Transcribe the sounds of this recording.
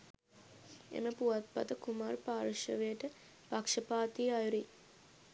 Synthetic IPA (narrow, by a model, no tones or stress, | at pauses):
ḛməpuʋat̪̚pat̪əkumaːrpaːɾuʃə̰ʋejəʈə | pakʂəpaːt̪ijajuɾi